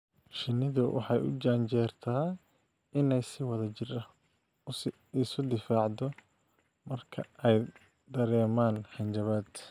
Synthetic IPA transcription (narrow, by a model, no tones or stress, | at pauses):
ʃɪnːɪðʊwɑ̰ħɑjʔʊ̰t͡ʃaːnt͡ʃɛːrt̪ʰaː | ɪnɛjsɪwɐðɐt͡ʃɪrɐ | ɪsʊd̪ɪfaːʕd̪ɔ | mɐrkʰɐɛj | d̪ɐɾɛːmaːnħɑnt͡ʃɐβaːd̪